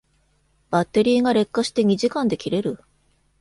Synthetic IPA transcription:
bat̪ːe̞ɾʲiːɡaɾe̞kːaɕi̥t̪e̞ɲ̟iʑikãnd̪e̞kʲiɾe̞ɾɯ̟

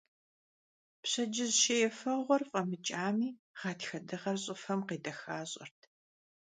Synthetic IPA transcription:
pɕɐd͡ʒɪzʃejɛfɐʁʷɔrfʼɐmɨt͡ʃʼaːmiː | ʁɑːtxɐdɨʁɐrɕʼɪfɐmqeːdɐxaːɕʼɐ̰rtʰ

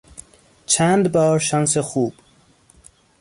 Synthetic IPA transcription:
t͡ʃʰæːnd̪bɒːɾʃɒnsexuːb̥

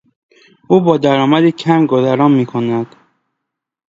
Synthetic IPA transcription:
uːbɒːd̪æɾɒːmæd̪icʰæmɡozæɾɒːmːiːkʰonæd̪̥

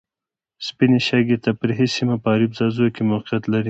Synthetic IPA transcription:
spineʃaɡet̪apəɾɦesimapəːɾibzɑzuokemaqjat̪laɾi

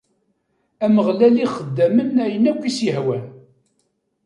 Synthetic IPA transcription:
æməʁlæliχəd̪ːæmənæjənækʷːisjəɦwæn

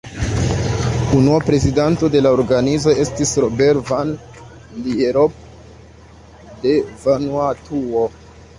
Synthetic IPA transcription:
unuapɾe̞zidanto̞de̞laoɾɡanizo̞e̞stisɾobe̞ɾvan | lieɾop̚ | de̞vanuatʰuo

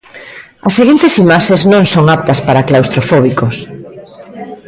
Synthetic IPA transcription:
ɐsːeɣint̪esimaʃeznõŋsoŋap̚t̪ɐspaɾaklawst̪ɾofɔβ̞ikos

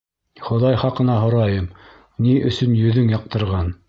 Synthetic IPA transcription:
χŏðɑjχɑqɤ̆nɑɦŏɾɑjɤm | niʔɵ̆sɵnjɵ̆ðɵŋjɑq̚t̪ɤ̆ɾʁɑn

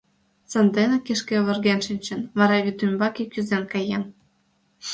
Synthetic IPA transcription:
sənd̪enekeʃkeβə̆rɣenʃinʲt͡ɕə̆nβɑɾɑβʲit̪ymʲbɑkikyzenkɑjen

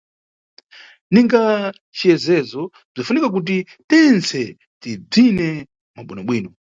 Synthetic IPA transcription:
niŋɡa | t͡ʃijɛzɛzɔ | b͡ʐafunikak̬ut̬i | tɛnt͡sɛ | tib͡ʐinɛ | maɓwinaɓwiːnɔ

